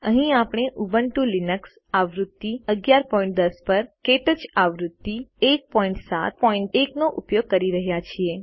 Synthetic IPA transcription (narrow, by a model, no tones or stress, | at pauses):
əɦĩapɳ̃eʔuʋəɳʈulinəks | aʋɾut̪ːiəɡjaɾpɔĩɳʈ̚d̪əspəɾkeʈət͡ʃaʋɾʊt̪ːiek̚pɔĩɳʈsa̰t̪̚pɔĩɳʈeknoʔupjoɡ̚kːəɾiɾəɦjat͡ʃʰie